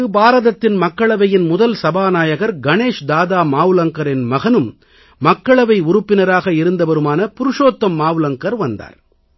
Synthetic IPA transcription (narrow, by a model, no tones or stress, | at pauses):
ɯbaːɾɐðɐt̪ːɪnmɐkːɐɭɐʋɐjɪnmʊðɐlsɐbaːnaːjɐɣɐɾɡɐneːʂd̪aːðaːmaːʋɯlɐŋkɐɾɪnmɐɣɐnɯmː | ɐkːɐɭɐʋɐɪʊɾɯpːɪnɐɾaːɣɐɪɾɯnd̪ɐʋɐɾɯmaːnɐpʊɾɯʂoːt̪ːɐmːaːʋɯlɐŋkɐɾʋɐnd̪a̰ːɾ